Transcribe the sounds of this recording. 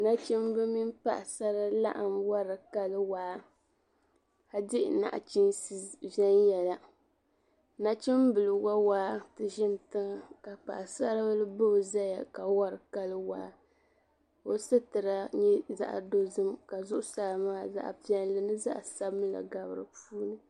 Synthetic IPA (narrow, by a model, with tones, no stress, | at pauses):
na˦t͡ʃɪ˦m˦bɨ˦mi˦npa̰˦ʔsa˦ɾa˦la̰˦ʔa˨mwa˦ɾɨ˨ka˦lɨ˦waː˨˦ | ha˦dɪ˦ʔna̰˨ʔa̰˨t͡ʃi˦nsvɛ˦njɛ˨la˨ | na˦t͡ʃɪ˦m˦bɨ˨lɨ˨ɡa˦waː˦tɨ˨ʒɪ˦ntɨ˦ŋ˦˨ka˨k͡pa̰˨ʔsa˦ɾa˦blɨ˦bo˦˨za˦ja̰˨ka˨wa˦ɾɨ˨ka˦lɨ˦wa̰ː˨˦ | o˨sɨ˦tɨ˨ɾa˦ɲɛ˦za̰˦ʔdo˦zɨ˦mka˨zʊ˦ʔʊ˦saː˦˨maː˦za̰˦ʔpi˦ɛ˦n˦lɨ˨nɨ˦za̰˦ʔsa˦bɨ˦m˦la̰˨ɡa˨bɨ˨ɾɨ̰˨puː˦nɨ˦